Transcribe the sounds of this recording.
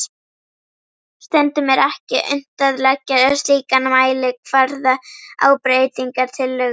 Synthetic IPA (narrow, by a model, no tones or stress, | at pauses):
st̪ɛnt̪ʏmɛɾɛhcɪʔʏ̰n̥t̪aðlɛcɛɾast̪iːkanmaːjlɪkʰvaɾðaa̰ːwpɾejt̪iŋkaɾ̥t̪ʰɪlːʏ